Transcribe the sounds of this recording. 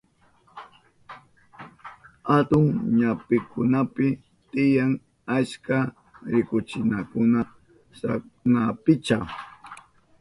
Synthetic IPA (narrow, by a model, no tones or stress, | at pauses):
hat̪ʊŋɲapɪkʊnapɪ | t̪ɪjaŋ | aska | ɾɪkʊt͡ʃɪnakʊna | sanapɪt͡ʃa